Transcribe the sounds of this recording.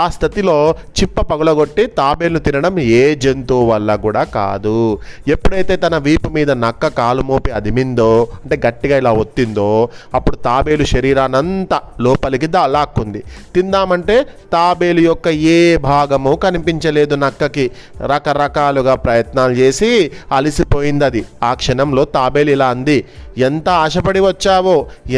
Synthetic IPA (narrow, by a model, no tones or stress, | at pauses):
aːst̪ʰɐt̪ilo̞ːt͡ʃipːɐpɐɡɐlɐɡo̞ʈːit̪aːbe̞ːlnut̪inɐɽɐmeːd͡ʒe̞nt̪uːʋɐlːɐkuːɽaːka̰ːd̪uepːuɽɐjt̪e̞ːt̪ɐnɐʋiːpumiːd̪ɐnɐkːɐkaːlumoːpiɐd̪ʱimind̪oːɐɳʈeːɡɐʈːiɡaːilaːʋot̪ːind̪o̞ːɐpːuɽut̪aːbe̞ːluʃɐɾiːɾaːnɐnt̪ɐlɔːpɐlik̬id̪aːlaːkːund̪it̪ind̪aːmɐɳʈe̞ːt̪aːbe̞ːlujɔkːɐeːbʱaːɡɐmukɐnipiɲt͡ʃɐle̞ːd̪unɐkːɐki | ɾɐkɐɾɐkaːluɡaːpɾɐjɐt̪naːlut͡ʃe̞ːsiɐlisipo̞ːjind̪ɐd̪iaːkʂɐɳɐmlo̞ːt̪aːbe̞ːlilaːɐnd̪ient̪ɐaːʂɐpɐɽiʋɐt͡ʃːaːʋoː